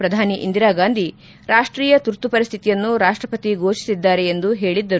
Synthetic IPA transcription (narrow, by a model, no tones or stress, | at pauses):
pɾɐd̪ʱaːniʔḭnd̪iɾaːɡaːnd̪ʱi | ɾaːʂʈɾiːjɐt̪uɾt̪upɐɾist̪ʰit̪ijɐnːuɾaːʂʈɾɐpɐt̪iɡʱoːʃi̥sid̪ːaːɾeend̪uɦe̞ːɭid̪ːɐɾu